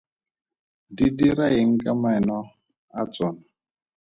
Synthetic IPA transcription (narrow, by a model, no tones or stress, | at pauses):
didiɾaeŋ̩kʼamaɛnɔ | at͡sʼɔːna